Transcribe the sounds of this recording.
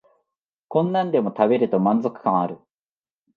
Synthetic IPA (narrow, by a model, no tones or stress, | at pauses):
kõ̞nːãnd̪e̞mo̞t̪abe̞ɾɯ̟t̪o̞mãnd͡zo̞kɯ̟̥kãaɾɯ̟